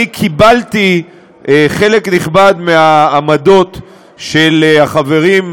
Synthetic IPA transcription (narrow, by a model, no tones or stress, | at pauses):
ikʰibalt̪i | eχe̞le̞kniχbad̪meaːmad̪o̞t̪ | ʃelaχave̞ʁim